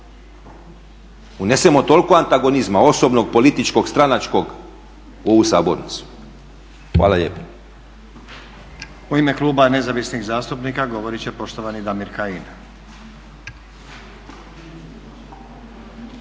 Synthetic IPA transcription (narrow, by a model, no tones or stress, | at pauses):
une̞se̞mo̞t̪o̞lko̞ant̪aɡo̞nizmao̞so̞bno̞ɡ̚po̞lit̪it͡ʃko̞ɡst̪ɾanat͡ʃko̞ɡ | oʋusa̰ːboɾnit̪su̥ | xʋa̰ːlaʎḛpo̥ | uimekluːbane̞zaʋisniɣzaːst̪upniːkaɡo̞ʋo̞ɾit͡ɕepo̞ʃt̪oʋanid̪amiɾkain